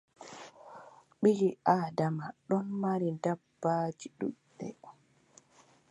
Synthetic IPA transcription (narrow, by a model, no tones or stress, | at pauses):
ɓiɡiʔaːdamaɗɔnmaɾindabːaːd͡ʒiɗṵɗːɛ̰